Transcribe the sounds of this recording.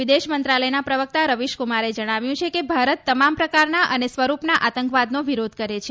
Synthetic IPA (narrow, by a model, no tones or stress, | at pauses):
ʋid̪eʃmənt̪ɾaləjnapɾəʋək̚t̪aɾəʋiʃkumaɾed͡ʒəɽ̃aʋjũt͡ʃʰekebʱaɾət̪ːəmampɾəkaɾnaʔənesʋəɾupnaʔat̪əŋkʋad̪noʋiɾod̪ʱkəɾet͡ʃʰe